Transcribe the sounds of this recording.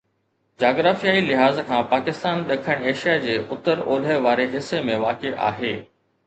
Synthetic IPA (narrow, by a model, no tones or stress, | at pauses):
d͡ʑaːɡɾaːfijaːilɪɦaːzkʰãːpaːkɪst̪aːnɗɐkʰəɽ̃eːʃijad͡ʑeːʔʊt̪əɾoːləʋaːɾeɦɪsːemẽʋaːkeʔa̰ːɦeː